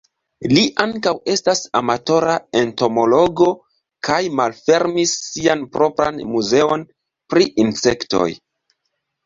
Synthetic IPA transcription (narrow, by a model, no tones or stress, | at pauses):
liʔaŋkawe̞stasa̰mato̞ɾaento̞mo̞lo̞ɡo̞ | kajmalfe̞ɾmisːianpɾo̞pɾa̰nmuze̞o̞n | pɾiʔinse̞kto̞̰j